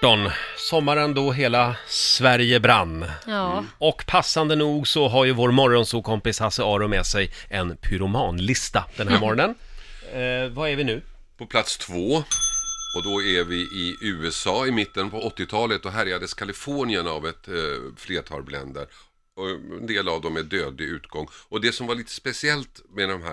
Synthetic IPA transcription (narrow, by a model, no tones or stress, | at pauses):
ɔnsɔmːaɾənd̪ɔɦeːlasvæɾjəbɾanː | ɔkːpʰasːand̪ənuːɡsɔɦaɾjɵvoːɾmɔɾɔnsuːkʰɔmpɪshasəɑːɾʊmɛːsɛjɛnpʰʏɾʊmɑːnlɪst̪ad̪̥ɛnhæːɾmɔɾɔnən | vaæɾvɪnʉ̟ː | pʰɔpʰlat̪st̪ʰvoː | ɔd̪ɔævɪʔɪʉ̟ːɛsɑːɪmɪt̪ːənpʰɔɔt̪ːɪt̪ʰɑːlət̪ɔɦæɾjad̪əskʰalɪfoːɳɪənavɛt̪fleːʈʰɑ̰ːlblɛ̰nd̪əɾ | ɛ̰nd̪eːlavd̪ɔmːɛd̪øːd̪lɪʉ̟ːt̪ɡɔŋːɔd̪ɛsɔmvaɭiːt̪ʰə̥spɛsɪɛlt̪mɛd̪ɔmɦæ̰